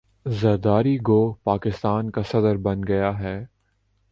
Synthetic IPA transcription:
zɐɾd̪aːɾiɡoːpaːkɪst̪aːnkasɐd̪əɾbɐnɡɐjaɦɛː

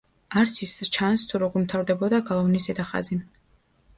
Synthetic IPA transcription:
aɾt̪sʰist͡ʃʰanst̪ʰuɾɔɡɔɾmt̪ʰaɾd̪ɛbɔd̪aɡalˠɔvnisɛd̪aχa̰zi

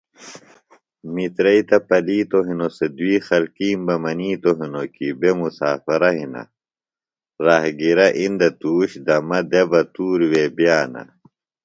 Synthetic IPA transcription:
mit̪ɾɐit̪ɐpɐliːt̪oɦinosed̪wiːxɐlkiːmbɐmɐniːt̪oɦinokibemusaːfɐɾɐɦinɐ̰ | ɾaɦɡiɾɐʔind̪ɐt̪uːɕd̪ɐmɐd̪ebɐt̪uːɾwebijaːnɐ̰

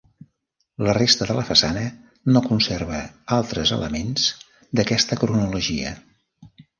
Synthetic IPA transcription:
lərest̪əðələfəsanə | nokunserβəalˠt̪ɾəzə̰lə̰menz̥ | d̪əkɛst̪əkɾunuluʒiə̰

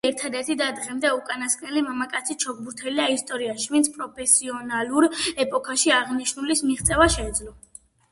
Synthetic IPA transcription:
ɛɾt̪ʰad̪ɛɾt̪ʰid̪ad̪ʁɛmd̪ɛukʼanaskʼnɛlimamakʼat̪sʰit͡ʃʰɔɡ̚buɾt̪ʰɛliaist̪ʼɔɾiaʃivint̪sʰpʼɾɔpʰɛsiɔnalˠuɾɛpʼɔkʰaʃiaʁniʃnulismiʁt̪sʼɛvaʃɛːd̪zlɔ

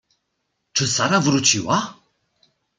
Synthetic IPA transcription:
t͡ʃʰəsaɾavɾut͡ʃʰiwa

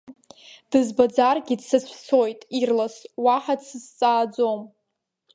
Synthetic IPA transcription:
d̥ɨzbad͡zarɡʲidsɨt͡ɕʷʰso̞jtʼirlaswaħadsɨzt͡sʼaːd͡zom

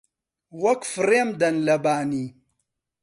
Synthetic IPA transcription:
wɐkfɾemd̪ɐnlɐbaːni

